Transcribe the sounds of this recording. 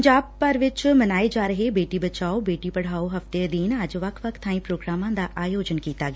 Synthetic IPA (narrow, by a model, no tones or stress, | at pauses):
ɲd͡ʒaːb̚pəɾʋɪt͡ʃmɐnaːed͡ʒaːɾəɦebeːʈibət͡ʃaːobeːʈipəɽ̤aːoɦɐft̪ed̪iːnəd͡ʒʋɐkʰʋəkt̪ʰːaːĩpɾoːɡɾaːmãːd̪aʔaːjoːd͡ʒənkiːt̪aɡː